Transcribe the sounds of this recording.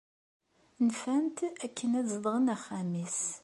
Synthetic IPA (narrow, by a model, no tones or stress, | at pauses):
nfænt̪ækːənæzðˤʁənæχːæmis